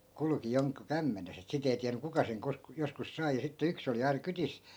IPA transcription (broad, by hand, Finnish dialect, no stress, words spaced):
kulŭki joŋku kæmːenes et sit ei tiæny kukɑ seŋ kos joskus sɑi jɑ sitːe yks oli ɑinɑ kytis